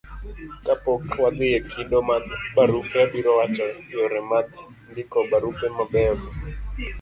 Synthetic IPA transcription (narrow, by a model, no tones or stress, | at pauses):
kapokwad̪ɪjekindomat̪baɾukɛbiɾɔwat͡ʃɔjɔɾɛmat̪ | ndɪkɔbaɾupɛmabɛbɔ